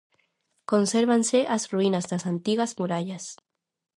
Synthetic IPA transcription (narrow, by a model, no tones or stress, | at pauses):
ko̞nseɾβanseʔasruinazd̪asant̪iɣazmuɾaʎas